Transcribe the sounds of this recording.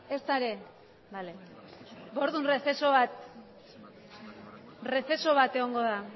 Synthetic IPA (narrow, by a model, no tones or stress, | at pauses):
e̞st̪aɾe̞ | bale | bo̞ɾðunrefesoβat̪ | re̞fe̞so̞βat̪e̞ɣo̞ŋɡo̞ða